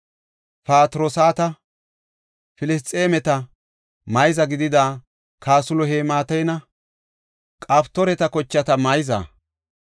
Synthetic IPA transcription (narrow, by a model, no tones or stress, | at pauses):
paːt̪ɾoːsaːt̪ɐ | fɪlɪs̬t̪ʼːeːmɛt̪ɐ | mɐjzɐɡɪd̪ɪd̪aː | kʰaːsʊlɔɦeːmaːt̪ɐjnɐ | kʼaːpt̪ːɔɾɛt̪ɐkɔt͡ʃːɐt̪ɐmɐjɪza̰ː